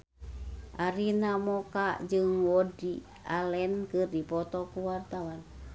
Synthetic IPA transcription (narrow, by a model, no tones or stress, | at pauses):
ʔaɾinamɔkad͡ʒɨŋwɔdi | ʔalɛnkɨrdipɔt̪ɔkuwart̪awan